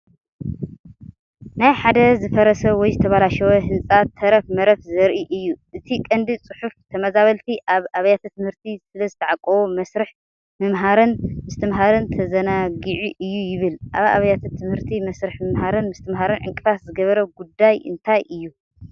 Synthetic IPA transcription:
najħad̪ɐzɨfɐɾɐsɐwɔjzɨt̪ʰɐβalaʃɐwɐɦɨnt͡sʼat̪ʰːɐɾɐfmɐɾɐfzɐɾʔiʔɨjːuʔɨt̪ʰikʼɐnd̪it͡sʼɨħuft̪ʰɐmɐzaβɐlt̪ʰiʔaβaβɐjat̪ʰat̪ʰɨmhɨɾt̪ʰisɨlɐzɨt̪ʰɐʕakʼɐwomɐsɾɨħ | mɨmɦaɾɨnmɨst̪ʰɨmɦaɾɨnt̪ʰɐzɐnaɡɨʕiʔɨjːujɪβɨlʔaβa̰βɐjat̪ʰat̪ʰɨmhɨɾt̪ʰimɐsɾɨħmɨmɦaɾɨnmɨst̪ʰɨmɦaɾɨnʕɨŋkʼɨfaszɨɡɐβɐɾɐɡud̪ːajɨ̰nt̪ʰajʔɨjːu

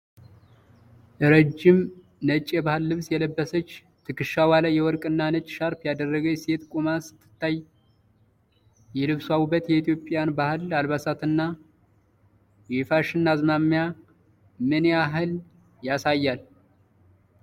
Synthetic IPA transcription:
ʔɨɾəd͡ʒːɪm | nət͡ʃʼːjɛbahɨlːɨβsjɛləbːəsət͡ʃː | t̪ʰɨkɨʃːawaləjɛwɔɾkʼɨnːanət͡ʃʼːʃaɾpjad̪ərːəɡəse̞t̪kʼumasɨ̥t̪ʰːɨ̥t̪ʰːaj | jɛlɨβswawubːət̪jɛit̪ʰjo̞pʼːjanbahɨlalβasat̪ɨnːa | jɛfaʃɨnːazmamːja | mɨneaɦɨl | jasajːal

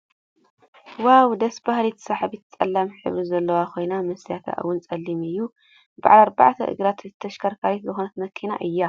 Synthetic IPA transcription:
wawd̪ɐsbahlit̪ʰɨ̥saħabit̪t͡sʼɐ̰lːamħɨ̰βɾɨzɐlːɐwakʰo̞jnamɐsjat̪ʰa̰ʔɨ̰wːʊnt͡sʼɐlːimɨjːu | ba̰ʕalaɾba̰ʕt̪ʰɐ̰ʔɨ̰ɡɾat̪ɨt̪ʰːɐʃkʰɐɾkʰawit̪zɨxonɐt̪mɐkʰːina̰ʔɨjːa

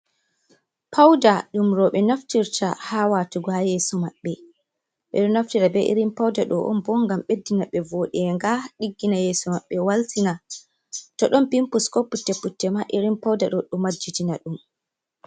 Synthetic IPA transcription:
pʰawdaɗumɾɔɓɛnaftiɾtʰa̰hawatuɡɔhajɛːsɔmaɓːɛ | ɓɛ̰ɗɔnaftiɾabɛʔḭɾimpawdaɗɔʔɔ̰nbɔŋɡamɓedːinaɓɛvoɗɛŋɡaɗiɡːinajɛːsɔmaɓːɛwaltina | tɔɗɔnpimpuskɔpːutːepːutːɛmaʔiɾimpawdaɗɔɗɔmad͡ʒːitinaɗum

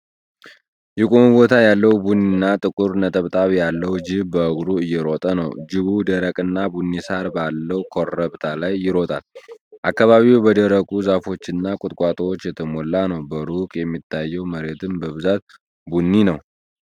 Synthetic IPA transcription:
jɛkʼomubo̞t̪ʰajalːəwbunːinːat̪ʼɨkʼuɾnət̪ʼəβt̪ʼaβjalːəwd͡ʒɪbbəəɡɾuɨjːɛɾo̞t̪ʼənə̰wd͡ʒɪβud̪əɾəkʼɨnːabunːisaɾbalːəwkʰoɾəβt̪ʰalajːɪɾo̞t̪ʼalʔakːaβaβiwbəd̪əɾəkʼuzafo̞t͡ʃːɪnːakʼʊt̪ʼkʼat̪ʼwot͡ʃːjɛt̪ʰəmolːanəwbəɾukʼjɛmːit̪ʰːajːɛwməɾe̞t̪ʰɨmbəβɨzat̪̚ | bunːinəw

